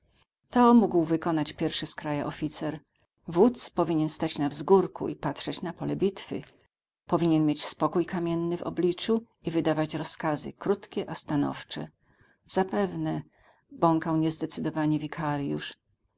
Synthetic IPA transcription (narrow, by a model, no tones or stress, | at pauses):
t̪ɔmuɡwvɘkɔnat͡ɕpʲjɛɾfʂɘskɾajaʔɔfʲit̪sɛɾ | vut̪spɔvʲiɲɛnst̪at͡ɕnavzɡuɾkṵḭpat̪ʂɛt͡ɕnapɔlɛbʲit̪fɘ̰ | pɔvʲiɲɛnmʲjet͡ɕspɔkujkamʲjɛnːɘvɔ̰blʲit͡ʂu | ivɘd̪avat͡ɕɾɔskazɘ̰kɾut̪kʲɛʔast̪anɔ̰ft͡ʂɛ̰ | z̥apɛvnɛ | bɔŋkawɲɛzd̪ɛt̪sɘd̪ɔvaɲɛvʲikʰaɾjṵʂ